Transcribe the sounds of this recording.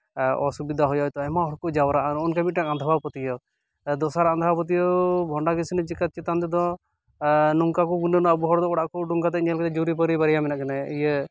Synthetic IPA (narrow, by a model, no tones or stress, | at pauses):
ɔ̰subid̪ʱaɦɔjɔt̪ɔɛmaɦɔɾkɔd͡ʒawɾaʔnɔnkamit̪̚ʈakand̪ʱbapɔt̪ijɔ | d̪ɔsaɾaand̪aapɔt̪̬ijɔbʱɔɳɖakisinɛd͡ʒikat̪̚t͡ʃit̪ant̪ɛd̪ɔ̃ | nuŋkakɔɡunənɔəbuɦɔɾd̪ɔɔɽaʔkuɖuŋkat̪ɛiɲalkɛt̪ɛd͡ʒuɾipɔɾibaɾijamɛnaʔkanaijə